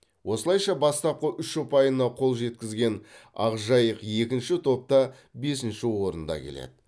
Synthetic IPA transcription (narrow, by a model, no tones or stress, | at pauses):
wʔo̞səlˠɑjʃɑbɑst̪ɑp̚qəʔʏʃːopɑjənːɑqʰo̞lˠʒe̞t̪kʲɪzɡʲe̞nɑ̰ʁʒɑjəqje̞kʲɪnʃɪt̪ʰo̞p̚t̪ɑ | be̞sɪnʃɪwo̞ɾənd̪ɑ̰kʲʰe̞̰lḛd̪ɪ